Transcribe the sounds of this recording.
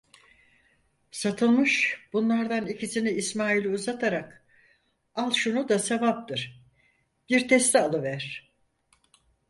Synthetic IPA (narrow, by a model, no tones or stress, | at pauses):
sat̪ʰɯlˠmɯʃb̥unlˠaɾd̪anicʰisiniːsmaːilʲiuzat̪ʰaɾak | alˠʃunud̪ase̞vap̚t̪ɯɾ̥ | b̥iɾt̪ʰɛst̪ʰɛalˠɯvæɾ̥